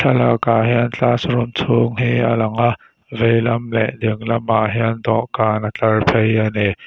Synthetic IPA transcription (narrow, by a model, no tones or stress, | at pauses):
ɬʰɐlakaːɦɛənt͡ɬaːsɾʊmt͡sʰʊŋɦiːʔa̰lɐŋaʔ | vejlɐmlɛ̰ʔdɪŋlɐmʔaʔɦɛənd̪ɔʔkaːnat͡ɬɐrpʰejanɛ